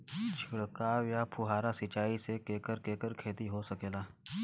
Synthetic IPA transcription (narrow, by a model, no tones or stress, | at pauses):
d͡ʒʱʊɽkaːwjapʰʊɦaːɾasɪt͡ʃaːisekeːkəɾkeːkəɾkʰeːt̪iɦosɐkeːlaː